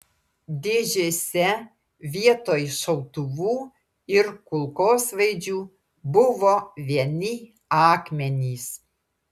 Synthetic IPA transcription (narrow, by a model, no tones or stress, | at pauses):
d̪ʲeːʒʲeːsʲɛ | ʋʲiɛt̪oːjʃɐʊt̪ʊʋuː | ɪɾkʊlˠkoːsʋɐɪd͡ʒʲuː | bʊʋoːʋʲiɛnʲɪ | ɑːkmʲɛnʲiːs